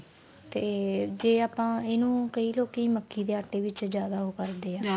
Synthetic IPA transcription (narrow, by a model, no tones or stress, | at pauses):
t̪eːd͡ʒeːaːpãːɪnũːkəiːloːkiːməkʰːiːd̪eːaːʈːeːʋɪt͡ʃd͡ʒjaːd̪aːɦoːkəɾd̪eːãː